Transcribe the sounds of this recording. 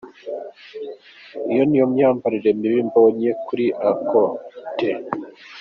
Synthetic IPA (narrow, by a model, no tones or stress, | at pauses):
ijo̞nijo̞mɲaːmbaɾiɾe̞miβimboɲekuɾiʔakote